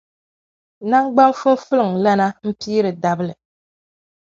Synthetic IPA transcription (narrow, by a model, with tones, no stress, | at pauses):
na˦ŋɡ͡ba˦mfu˦n˦fɨ˦lɨ˨ŋ˨la˦na˦m̩˦piː˦ɾɨ˨da˨bɨ˦lɨ˨